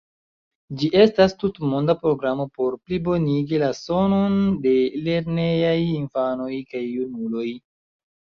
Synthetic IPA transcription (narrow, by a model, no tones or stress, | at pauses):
d͡ʒiʔe̞stastutmondapɾo̞ɡɾamo̞po̞ɾplibo̞niɡilaso̞no̞nde̞le̞ɾne̞jajinfano̞jkajːunulo̞j